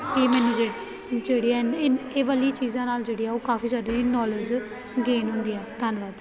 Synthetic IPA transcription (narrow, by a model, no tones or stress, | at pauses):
eːmɛ̃nĩːd͡ʒeːɽ | d͡ʒeːɽiːɛneːʋəlit͡ʃiːzãːnaːld͡ʒeːɽiːɛːoːkaːfʰiːsaːdeɾiːnɔːləd͡ʒ | ɡeːnɦʊ̃nd̪iːɛːt̪ənʋaːd̪